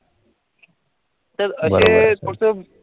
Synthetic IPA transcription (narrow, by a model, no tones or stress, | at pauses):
t̪əɾəset̪ʰoɽsə